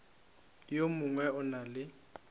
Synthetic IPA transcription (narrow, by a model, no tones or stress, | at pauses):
jomuŋwɛʊnalɪ